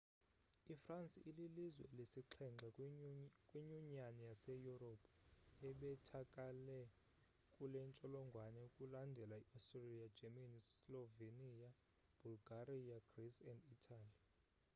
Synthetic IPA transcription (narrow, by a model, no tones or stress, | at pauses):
ifransʼiʔililizwɛ̰lesiǃʰɛŋ͡ǁʱa | kʼwiɲuɲanijasɛjuropʰʼ | ɛɓɛtʰakʼalɛ | kʼulɛnt͡ʃʼɔlɔŋɡʱwanɛukʼulandʱɛlaiʔɔstʼrelijḁd͡ʒɛmanslɔvenija | b̥ʱulɡarijaɡ̥risɛnditʰaːli